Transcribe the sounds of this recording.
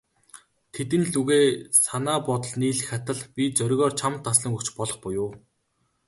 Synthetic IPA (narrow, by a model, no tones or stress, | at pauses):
t̪ʰet̪ɘ̆nɮuɣeːsanaːpɔt̪ɞ̆ɮniːɮxat̪ə̆ɮpʲit͡sœɾʲɣʲɔːrt͡ɕʰamt̪ːasɮə̆ŋɵkt͡ɕpɔɮɞ̆χpʊjʊː